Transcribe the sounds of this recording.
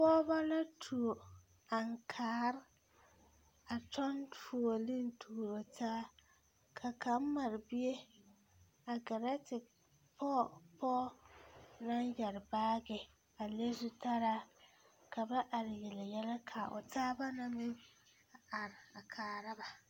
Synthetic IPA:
pɔː˦ba˦la˦tʰu˨o˨ | a˨ŋkʰaː˨˦ɾ | a˨t͡ʃɔ˦nfu˨o˨lɪ˦ntʰuː˨ɾo˨tʰaː˦ | kʰa˨ka˨˦m˦ma˨ɾɪ˨bi˦e˦ | a˨ɡa˨ɾa˦tɪ˨ | pʰɔ˦˨pɔː˦ | na˦njɛ˨ɾɪ˨baː˦ɡɪ˨ | a˨le˦zu˦ta˦ɾa˦ | kʰa˨ba˦ʔa˨ɾɪ˨je˨lɪ˨jɛ˦lɛ˦kʰa˨ʔʊ̰˨tʰaː˦ba˦na˨mɪ˦ŋ | a˨a˨ɾɪ˨a˨kʰaː˨ɾa˦ba˨

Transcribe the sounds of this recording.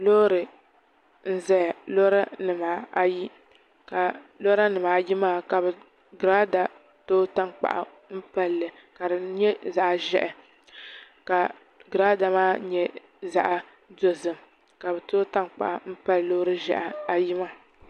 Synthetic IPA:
loː˦ɾɨ˨ | n̩˦zɛ˦˨lo˦ɾa˦nɨ˨ma˨a˨ji˦ | ka˨lo˦ɾa˦nɨ˨ma˨ji˦maː˦˨ka˨bɛ˨ | ɡɾaː˦da˨ | toː˦ta˦ŋk͡pa̰˨ʔa̰˨ | m̩˦pa˦lːɨ˨ | ka˨dɨ˨ɲɛ˦za˨ʔʒɛ̰˦ʔɛ˨ | ka˨ | ɡɾaː˦da˨maː˦ɲɛ˦ | za̰˨ʔa˦ | do˦zɨ˨m | ka˨bɛ˨toː˦ta˦ŋk͡pa̰˨ʔa˨m̩˦pa˦llo˦ɾɨ˦ʒɛ̰˨ʔa˨a˨ji˦ma˦

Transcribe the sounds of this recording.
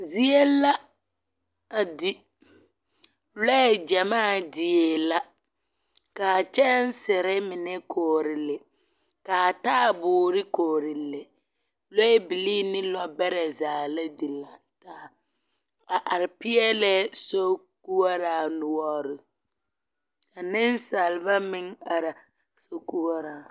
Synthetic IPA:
zi˦e˦la˦ | a˨di˦ | lɔ˦ɛ˦˨d͡ʒa˨maː˦˨dɪ˨e˨la˦ | ka˨t͡ʃɛ˦n˦sɪ˨ɾɛ˦mɪ˨nɛ˦kʰoː˨ɾɪ˨lɪ˨ | ka˨taː˦˨bʊː˨ɾɪ˦koː˨ɾɪ˨lːɪ˨ | lo˦e˦bi˨liː˦nɪ˦lɔ˦bɛ˦ɾɛ˨zaː˨la˦di˨la˨n˨taː˦ | a˨ʔa˨ɾɪ˨pɪ˦ɛ˦lɛ˦so˦ku˦wa˦ɾaː˨nʊ˨ɔ˦ɾɪ˨ | a˨nɪ˦n˦sa˨lba˦mɪ˦ŋa˨ɾa˨ | so˦ku˦a˦ɾaː˨

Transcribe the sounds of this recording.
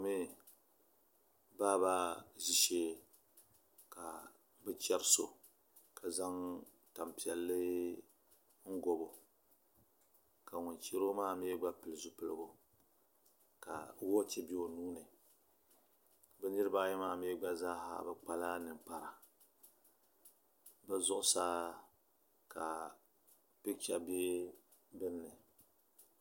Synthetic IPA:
me˦ | baː˦ba˦zi˦ʃeː˦ | ka˨ | bɛ˦t͡ʃɛ˦ɾso˦˨ | kʰa˨za˦ŋ | ta˨mpi˨ɛ˨lːɨ˦ | ŋ̩˦ɡo˨bo˨ | ka˨ŋʊ˨nt͡ʃe˦ɾo˦maː˦˨˦me˦ɡ͡ba˦pɨ˨lɨ˨zu˦pɨ˨lɨ˦bo˦ | ka̰˨wo˦t͡ʃɛ˦bi˦o˨nuː˦nɨ˨ | bɛ˦nɨ˦ɾɨ˦ba˦jɛ˦maː˦˨me˦ɡ͡ba˦zaː˦ɦa̰˦˨bɛ˦k͡pa˦la˦nɨ˨ŋk͡pa˨ɾa˨ | bɛ˦zʊ˦ʔʊ˦saː˦ | ka˨ | pɨ˦t͡ʃa˦beː˦ | bɨ˦nːɨ˨

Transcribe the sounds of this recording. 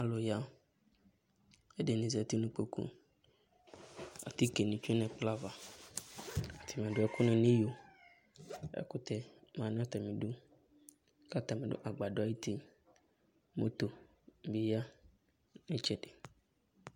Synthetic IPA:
a˨lo˨ja˦ | e˦de˨nĩ˨zɛ˨t̪i˦nũ˦k͡po˦kṵ˦ | a̰˨t̪i˦ke˨nĩ˨t͡ʃu˦nɛ̃˨k͡pla˦va˨ | a˨t̪ʰi˨mĩ˨a˨ɖo˦ɛ˦ku˦nɛ̃˨nĩ˦jo˨ | ɛ̰˦ku˦t̪ɛ˦mã˨nã˦t̪ɛ˨mĩ˨ɖo˦ | ka˦t̪a˨mẽ˨do̰˦ʔa˨ɡ͡ba˨ɖo˨a˨ji˦t̪i˦ | mo̰˦t̪o˨ | bi˨ja˦ | nĩ˦t͡ʃɛ˦ɖe˨

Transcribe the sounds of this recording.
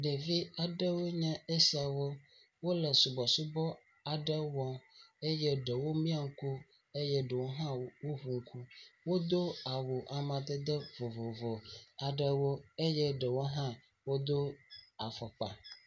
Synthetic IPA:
ɖe˨vi˦a˨ɖə˦wo˦ɲɛ̃˦e˦si˨a˨wo˦ | wo˦lə˨su˨bɔ˨su˦bɔ˦ | a˨ɖə˦wɔ̃˨e˦jɛ˦ɖə˨wo˦mĩ˦a˨ŋ̩˦ku˦ | e˦jɛ˦ɖə˨wo˦ɦã˦wo˦ɦu˨ŋ̩˦kʰu˦wo˦d̪o˦a˨wo˨ʔa˨mã˨d̪ə˦d̪ə˦vo˨vo˨vɔ˨a˨ɖə˦wo˦e˦jɛ˦ɖə˨wo˦ɦã˦ | wo˦d̪o˦a˨fɔ˨k͡pa̰˨

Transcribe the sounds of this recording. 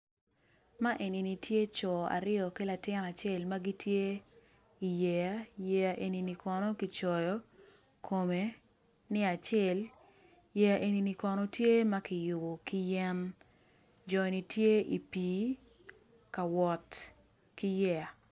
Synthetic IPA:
ma˦ʔe˨ni˨ni˨tje˦t͡ʃɔ˨a̰˨ɾɪɔ˨ki˦la˨tɪ˦na˨t͡ʃe˦˨lma˦ɡi˦tʰje˦ | i˨jɛ˨ja˦jɛ˦ja˨ʔe˨ni˨ni˨kʰɔ˨nɔ˦ki˨t͡ʃɔ˨jɔ˨˦ | kʰo˨me˨˦ | nɪ˦a˨t͡ʃɛ˦˨l | jɛ˦ja˨ʔe˨ni˨ni˦kɔ˨nɔ˦tje˦ma˦kɪ˨jʊ˨bo˨ki˦jɛ˦n | d͡ʒɔ˨ni˨tje˦ʔi˨piː˨˦ | ka˨wɔ˨t | ki˦jɛ˦ja˨

